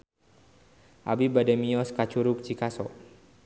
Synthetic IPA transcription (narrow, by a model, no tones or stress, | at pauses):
ʔabibadɛmiɔskat͡ʃuɾup̚t͡ʃikasɔʔ